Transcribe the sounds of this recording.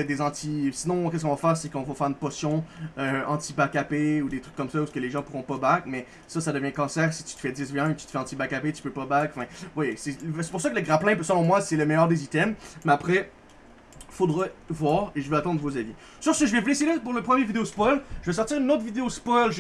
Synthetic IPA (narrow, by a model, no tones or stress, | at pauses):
ɛd̪ezɑ̃t̪ʰisinɔ̃k̬ʲɛs̬kɔ̃vafɛːʁsɛkɔ̃vɔfɛːʁynpɔsjɔ̃øɑ̃t̪ibakapeud̪et̪χykːɔmsausə̥kəleʒɑ̃puʁɔ̃pɔbakmɛ | sʌsad̪əvjɛ̃əkɑ̃sɛːʁsi̥t̪yt̪ə̥fɛd̪ɪsveɛ̃mɛk̚t̪y̥t̪fɛɑ̃t̪ibakapet̪y̥pøpabakɑ̃fɛ̃vwajesɛvse̥puʁsakələɡʁaplɛ̃psəlɔ̃mwasɛləmɛjœːʁd̪ezit̪ɛmːɛapχɛ | fod̪ʁɛvwaːʁeʒəvøat̪ɑ̃d̪ʁəvozavi | syʁsəkəʒəvɛvulɛsjlepuʁləpχəmjevid̪eospɔlʒəvɛs̬ɔʁt̪iːʁynoːt̪χvid̪eospɔjlʒ